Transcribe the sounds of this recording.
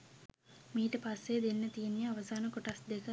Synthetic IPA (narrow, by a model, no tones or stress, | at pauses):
miːʈɐpɐsːeːd̪inːɐt̪iːnːjiɐʋɐsaːnɐkuʈɐsd̪ekɐ